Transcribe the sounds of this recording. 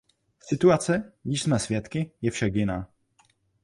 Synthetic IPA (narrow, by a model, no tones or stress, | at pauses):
fsɪt̪uat̪sɛɲizsmɛsfʲjɛt̪kʲijɛfʃɛɡina